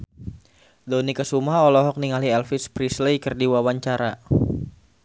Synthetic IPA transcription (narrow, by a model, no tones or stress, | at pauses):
donikəsumaɦɔlɔɦɔk̚niŋaliɛlfispɾislejkərdiwawaɲt͡ʃaɾa